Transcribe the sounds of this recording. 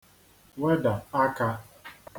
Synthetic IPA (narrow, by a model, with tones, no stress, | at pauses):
we˦da˨a˦ka˦